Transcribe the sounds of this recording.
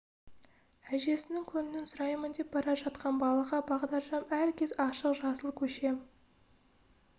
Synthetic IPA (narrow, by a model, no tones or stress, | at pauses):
æʒe̞sɪnɪŋkʲʰɵnɪnɪnsʊɾɑjmənd̪e̞p̚bɑɾɑʒɑt̪qɑnbɑlˠɑʁɑbɑʁd̪ɑɾʒɑmæɾkʲʰe̞zɑʃəqʒɑsəlˠkʲʰɵʃe̞m